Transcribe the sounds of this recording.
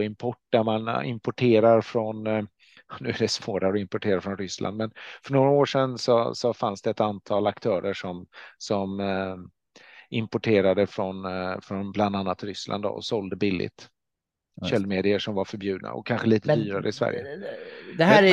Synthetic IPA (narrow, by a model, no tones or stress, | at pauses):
ɪmpʰɔʈ̚ːd̥æmanɪ̰mpʊʈʰeːɾaɾfɾɔn | nʉ̟ːæɖɛsvoːɾaɾɔɪmpʊʈʰeːɾaɾfɾɔnɾʏslʔa̰nd̪mɛnfœɳoːɾaoːʂɛnsɔsɔfansd̪ɛːt̪ant̪ʰɑːlakt̪ʰœːɾəʂɔmsɔm | ɪmpʊʈʰeːɾad̪əfɾɔnfɾɔnbland̪anːat̪ɾʏslʔa̰nd̪ɔ̰ɔ̰sɔld̪əbɪlːɪ̰t̪ | ɕɛlːmeːd̪ɪəʂɔmvaɾfœɾbjʉ̟ːd̪na̰ɔ̰kʰːanɧəliːt̪ədd̪yːɾaɾəɪsvæ̰ɾjə̰d̪ɛhː